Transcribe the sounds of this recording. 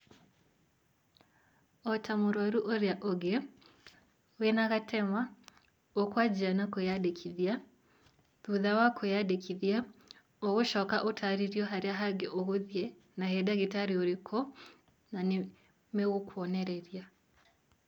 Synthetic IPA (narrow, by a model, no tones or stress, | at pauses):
ɔtʰamoɾwaɾuʔoɾjaʔoɡe | wenaɣatʰɛma | okwad͡ʒianakojadekʰiðja | ðuðawakʰojadekʰiðia | oɣoʃɔkaʔotʰaɾiɾjɔɦaɾeaɦaɡeʔoɣoðjɛ | naɦɛdaɣetaɾioɾekʰɔ | nane | meɣokwɔnɛɾɛɾia